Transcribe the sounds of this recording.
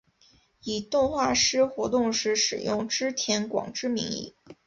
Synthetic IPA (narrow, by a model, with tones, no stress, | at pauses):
i˨˩t̪ʊ˥˧ŋxwa˥˩ʂɻ̩˥xwɔ˧˥t̪ʊ˥˧ŋʂɻ̩˥˩ʂɻ̩̰˨˩jʊ˥˩ŋʈ͡ʂɻ̩˥t̪ʰjɛ˧˥nkwɑ̰˨˩ŋʈ͡ʂɻ̩˥mi˧˥ŋḭ˥˩